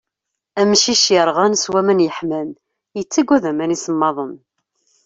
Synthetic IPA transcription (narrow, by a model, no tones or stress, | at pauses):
æmʃiʃjəɾˤʁænswæmænjəħmæn | jət͡sːæɡʷuðæmænisəmːɑðˤən